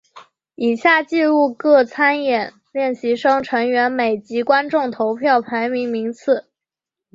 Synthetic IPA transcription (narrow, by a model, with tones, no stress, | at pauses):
i˨˩ɕja˥˩t͡ɕi˥˧u˥˧kɤ˥˩t͡sʰa˥njɛ˨˩˦n | ljɛ˥˩nɕi˧˥ʂɤ˥ŋʈ͡ʂʰɤ˧˥ŋɥɛ˧˥nme˨˩ɪt͡ɕi˧˥kwa˥nʈ͡ʂʊ˥˩ŋt̪ʰo˧˥ʊpʰjɑ˥˩ʊpʰa˧˥ɪmi˧˥ŋmi˧˥ŋt͡sʰɹ̩˥˩